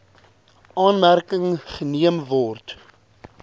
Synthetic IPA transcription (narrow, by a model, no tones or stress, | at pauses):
ʔɑːnmærkəŋχəniəmvɔrt